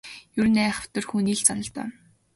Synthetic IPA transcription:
jurnæːχə̥̆w̥t̪ɵ̆rxuːniːɮt͡sanɞ̆ɬt̪œ̰ː

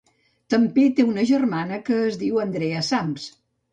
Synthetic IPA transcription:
t̪əmpet̪eunəʒərmanəkəːzðiwənd̪ɾeəsams

